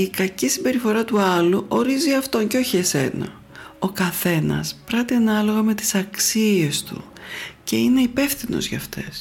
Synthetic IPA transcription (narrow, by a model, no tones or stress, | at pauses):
ikɐcisimbe̞ɾifo̞ɾɐt̪uɐluʔo̞ɾiziɐft̪o̞ɲceo̞çie̞se̞̰nɐ̰ | o̞kɐθe̞nɐ̰spɾɐt̪iɐnɐlo̞ɣɐme̞t̪i̥sɐksie̞st̪ṵ | ce̞ine̞ipe̞fθino̰zʝɐ̰ft̪e̞̰s